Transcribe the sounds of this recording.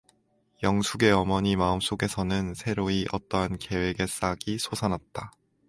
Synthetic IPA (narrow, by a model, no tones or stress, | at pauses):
jʌŋsʰuɡe̞ʌmʌɲimaɯms͈oɡe̞sʰʌnɯnsʰe̞ɾoiʔʌt͈ʌnke̞we̞ɡe̞s͈aɡisʰosʰanɦat̚t͈a